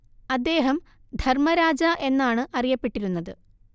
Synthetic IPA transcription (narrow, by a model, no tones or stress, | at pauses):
ɐd̪ːe̞ːɦɐm | d̪ʱɐrmɐɾaːd͡ʑɐʔe̞nːaːɳɨʔɐrijɐpːe̞ʈːiɾunːɐðɨ